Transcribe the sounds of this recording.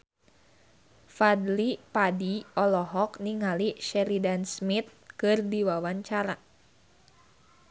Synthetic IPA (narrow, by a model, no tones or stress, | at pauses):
fad̪lipadiɔlɔɦɔk̚niŋaliʃɛɾidansmit̪̚kɨrdiwawaɲt͡ʃaɾa